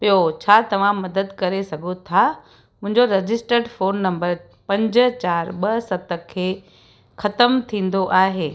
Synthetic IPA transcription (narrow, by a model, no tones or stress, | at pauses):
pijot͡ɕʰaːt̪ɐʋ̤ãmɐd̪əd̪kɐɾesɐɡʱot̪ʰa | mʊ̃ɦɪ̃ɲd͡ʑoɾɐd͡ʑɪsʈəɾɖfoːnːɐ̃mbəɾ | pɐ̃ɲd͡ʑʊ̆t͡ɕaːɾɓɐsɐt̪ə̆kʰːeː | xɐt̪əmt̪ʰĩːn̆d̪oʔaːɦeː